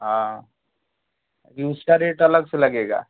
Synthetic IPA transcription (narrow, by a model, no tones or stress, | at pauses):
ɦã | jũːsʈaɾeːʈɐləɡselɐɡeːɡa̰ː